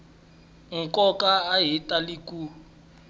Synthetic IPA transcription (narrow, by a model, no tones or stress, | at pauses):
ŋ̩kʼɔkʼaːɦitʼaliku